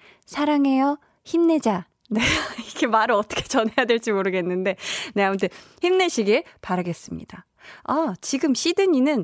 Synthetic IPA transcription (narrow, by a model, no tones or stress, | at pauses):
sʰaɾaŋe̞jʌ | çimne̞d͡ʑa | ne̞iɡe̞maɾɯɭʌt͈ʰʌkʰe̞t͡ɕʌnɦe̞jadweɭt͡ɕ͈imoɾɯɡe̞nːɯnde̞ne̞amuntʰeçimne̞ɕʰiɡepaɾaɡe̞s͈ɯmɲḭda | at͡ɕiɡɯmɕʰidɯɲinɯn